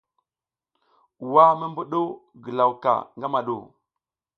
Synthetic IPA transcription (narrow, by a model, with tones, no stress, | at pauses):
wa˦mə˦mbu˦ɗo˦ɡə˨la˨wka̰˨ŋɡa˦ma˨ɗṵ˨